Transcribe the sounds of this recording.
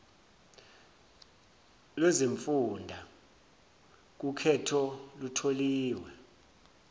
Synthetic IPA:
lweziɱfundʱa | k̬ukʰɛtʰɔlutʰoliːwɛ

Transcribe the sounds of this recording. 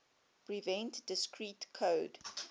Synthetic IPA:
pɹivɛ̃ntdɪskɹitkʰoːd

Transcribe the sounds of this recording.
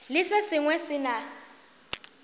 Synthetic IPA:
lɪsesiŋwɛsina

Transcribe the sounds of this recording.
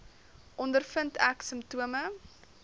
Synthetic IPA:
ʔɔndərfəntæksəmtuəmə

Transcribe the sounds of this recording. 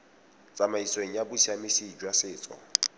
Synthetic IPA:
t͡sʼamaisweŋ̩jabʊsʰiamɪsid͡ʒwasɪːt͡sʼɔ̰

